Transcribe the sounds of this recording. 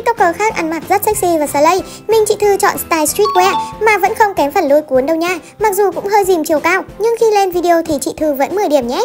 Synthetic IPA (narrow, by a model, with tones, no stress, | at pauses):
k̪̚t̪o˦˧˥kəː˧˩xaː˦˥k̚ʔa˧˩nma˨˩t̚zə˦˥t̚sa˦˥k̚si˧vaː˨˩səː˧˩lə˧j | mï˨˩ŋt͡ɕḭ˧˨t̪ʰɨ˧t͡ɕɔ̰˧˨nst̪aː˧jst̪ɹi˦˥t̚kwɛ˧maː˨˩və̰˧˥nxə˧wŋ͡mkɛ˨˦mfə˧˩nlu˧˦jku˨˦ənɗə˧wɲaː˧˩ | ma˨˩k̚zu˨˩kʊ̰˧˥ŋ͡mɦəː˧jzi˨˩mt͡ɕi˨˩əwkaː˧wɲɨ˧ŋxi˧le˧nvi˧ɗi˧o˧t̪ʰi˨˩t͡ɕḭ˧˨t̪ʰɨ˧˩və̰˧˥nmɨ˨˩jɗi˧˩əmɲɛ˨˦